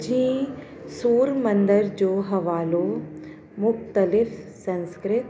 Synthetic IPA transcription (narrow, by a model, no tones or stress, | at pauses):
d͡ʒĩː | soːɾmɐ̃nd̪əɾd͡ʒoːɦɐʋaːloː | mʊxt̪əlɪfsɐ̃nskɾɪt̪